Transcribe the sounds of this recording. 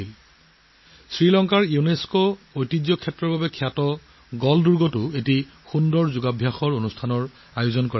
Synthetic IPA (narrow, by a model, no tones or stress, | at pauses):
il | sɹilɔŋkaɹiuneskoojtizjɔkʰɛtːɹɔɹbabɛkʰiatɔ | ɡɔlduɹɡɔtʊeti | xundɔɹzʊɡabʱjaxɔɹonustʰanɔɹ | ajʊzɔnkɔɹ